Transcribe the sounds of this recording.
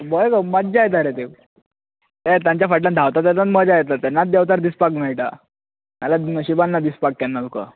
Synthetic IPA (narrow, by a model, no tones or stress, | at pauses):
bɔjkəmədd͡ʑajt̪aɾet̪e | t̪et̪jãɲt͡ɕjafəʈãnd̪ʱawt̪at̪ət̪at̪məd͡ʑajɛt̪at̪ːanːat̪̚d̪jɛwt̪aɾd̪ispaknait̪a | malaɕibanːad̪ispak̚ːanːat̪uka̰